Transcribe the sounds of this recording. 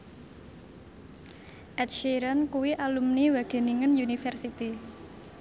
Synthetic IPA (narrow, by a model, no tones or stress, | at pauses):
ʔɛt̪̚ʃiɾənkuwiʔalumniwaɡ̥e̤niŋənjunifɛrsit̪i